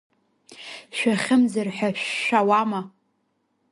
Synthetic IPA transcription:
ʃʷᶣaχʲɪmzarħʷᶣaʃːawama

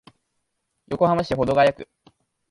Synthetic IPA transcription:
jo̞ko̞hamaɕi̥t̪eo̞d̪o̞ɡajakɯ̟

